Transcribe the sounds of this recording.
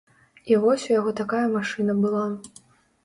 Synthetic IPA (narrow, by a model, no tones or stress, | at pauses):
ivɔsʲujaɣɔt̪akajɐmaʂɨnɐbɨlˠa